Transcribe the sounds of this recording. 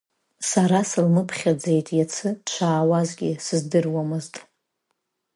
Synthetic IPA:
saɾasɨlmɨpʰχʲad͡zejtʼjat͡sʰɨt͡ʃʷʰaːwazɡʲɪsɨzdɨrwamɨztʼ

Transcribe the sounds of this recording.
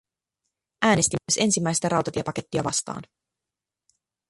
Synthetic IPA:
ʔæːnest̪imːyøse̞nsimːæjst̪æɾɑwt̪ɑt̪iepɑke̞t̪ːiɑʋɑ̰st̪ɑ̰ːn

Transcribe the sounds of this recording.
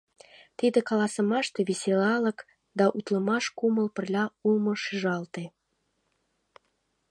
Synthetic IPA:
t̪id̪ə̆kɑlɑsə̆mɑʃt̪eβesʲelɑlə̆k | d̪ɑʔut̪lə̆mɑʃkuməlpə̆rlʲɑumə̆ʃiʒɑlt̪e

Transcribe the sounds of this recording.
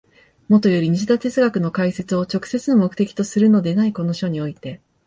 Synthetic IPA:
mo̞t̪o̞jo̞ɾʲiɲ̟iʑid̪at̪e̞t͡sɨɡakɯ̟no̞kaise̞t͡sɨo̞t͡ɕo̞kɯ̟̥se̞t͡sɨno̞mo̞kɯ̟t̪e̞kʲi̥t̪o̞sɨɾɯ̟no̞d̪e̞naiko̞no̞ɕo̞ɲ̟io̞it̪e̞

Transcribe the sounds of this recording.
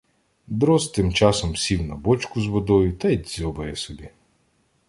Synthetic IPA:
d̪ɾɔst̪ɪmt͡ʃɑsɔmsʲiwnɐbɔt͡ʃkʊzʋɔd̪ɔjʊt̪ɐj̪ʲzʲɔbɐjɛsɔbʲi

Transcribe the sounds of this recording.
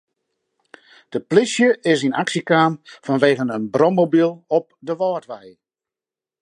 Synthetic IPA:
d̥əplɪsjəʔɪsinaksikaːmfɔnʋeːɣənənbrɔmobilˠɔp̚dəʋɔːtʋɛj

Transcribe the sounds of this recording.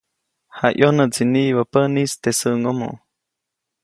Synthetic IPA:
haʔjonət͡siniʔβəpənist̪esəʔŋomo̰

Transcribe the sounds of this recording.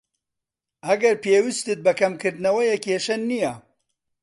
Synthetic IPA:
ɐɡɐɾpeːwist̪ɨt̪̚bɐkɐmkɨɾd̪ɨnɐwɐjɛkʰeːʃɐnːijɐ

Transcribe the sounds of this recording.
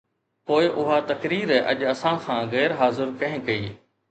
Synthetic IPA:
poːɪʔʊɦaːt̪ɐkɾiːɾɛʔɐ̰ʄɐsãːkʰãːɣɛːɾɦaːzɪɾkɐ̃ɦɪ̃kɐiː

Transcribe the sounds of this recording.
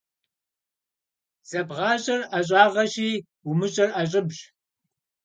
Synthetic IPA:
z̥ɐbʁɑːɕʼɐrɐɕ̬ʼɑːʁɐɕiː | umɨɕʼɐrʔɐɕʼɪbʑ

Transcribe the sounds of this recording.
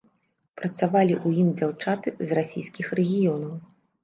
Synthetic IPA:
pɾɐt̪savalʲiʔujimd͡zʲawt͡ʂat̪ɨzrasʲḭjskʲixrɛɣʲijɔnɐw

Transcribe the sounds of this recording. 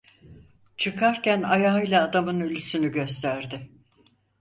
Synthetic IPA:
t͡ʃʰɯkʰaɾcænajaːɯjlˠaːd̪amɯnylʲysynyɟø̞st̪ʰæɾd̪ɪ

